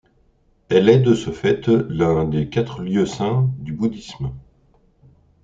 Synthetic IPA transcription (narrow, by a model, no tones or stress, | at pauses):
ɛlɛd̪əsəfɛt̪lɛ̃d̪ekʲat̪χljøsɛ̃d̪ybud̪ism